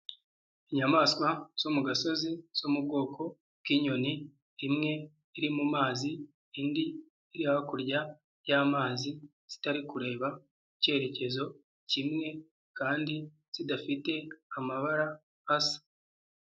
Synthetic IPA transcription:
iɲamaːskwaz̥omuɡaso̞ziz̥omub̚ɡo̞ːkʰo̞ | bkiɲo̞niː | mŋe̞ː | ɾimumaːziː | ndiː | ɾiahakuɾɟa | jaːmaːzi | z̥i̥taɾikuɾe̞ːβa | ice̞ːɾe̞ce̞zo̞ | cimŋe̞ | kaːndi | z̥idafite̞amaβaɾaː | sḁ

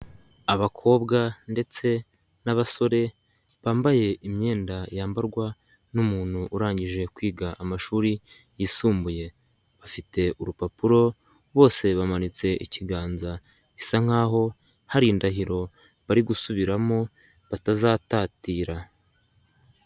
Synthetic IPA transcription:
aβakʰo̞ːbɡande̞t͡se̞ | naβaso̞ɾe̞ | βaːmbaje̞imɲe̞ːndajaːmbaɾɡwa | numuːn̥huʔːɾaːɲɟiʒe̞kwiːɡaʔamaʃuːɾi | jiːsuːmbuje̞ | βafite̞ʔuɾupapuɾo̞ | βo̞ːse̞βamanit͡se̞ʔḭciɡaːnza | isaŋ̥aːɦo̞ | haɾiːndaɦiɾo̞ | βaɾiɡusuβiɾamo̞ | βatazaːtaːtiːɾa

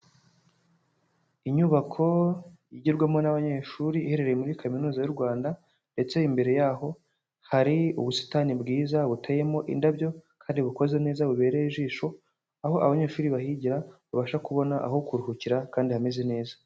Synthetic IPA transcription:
iɲuβakʰo̞jiɟiɾɡwamo̞naβaɲe̞ːʃuːɾihe̞ɾe̞ɾejemuɾikʰaminuːzajuɾɡwaːnda | nde̞t͡se̞imbe̞ɾe̞jaːɦo̞ | haɾiuβusi̥tanibɡiːzaβutʰeje̞mo̞ʔḭndabjo̞kʰaːndiβuko̞ze̞ne̞ːzaβuβe̞ːɾeiʒiːʃo̞ | aho̞ʔa̰βaɲe̞ːʃuːɾiβahiɟiɾaβaβaʃakuβo̞naʔa̰ɦokuɾuhuciɾakaːndihameze̞ne̞ːzḁ

